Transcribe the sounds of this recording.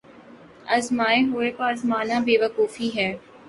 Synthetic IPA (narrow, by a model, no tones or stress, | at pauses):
ɐzmaːeɦʊepɐɾɐzmaːnabeːʋɐkuːfiɦɛː